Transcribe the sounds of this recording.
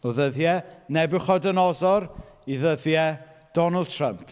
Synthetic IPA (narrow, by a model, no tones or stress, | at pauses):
ɔðəðjɛnɛbɨχɔdənɔzɔɾiðəðjɛ | d̥ɔnəlˠd̚tʰrəmpʰ